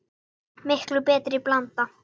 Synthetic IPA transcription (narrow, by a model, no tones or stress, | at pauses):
mɪhklʏpɛːt̪ɾɪiplant̪a